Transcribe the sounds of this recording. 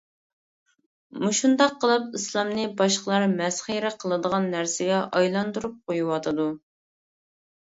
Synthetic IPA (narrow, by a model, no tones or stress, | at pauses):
muʃund̪ɑqʰːəlˠɨp̚islˠɑmnɨbɑʃqəlˠɑɾmɛsχiɾɛqʰəlˠɨd̪əʁɑnːæɾsɪɡʲɛʔɑjlˠɑnd̪uɾup̚qʰojuwɑt̪ʰɨd̪u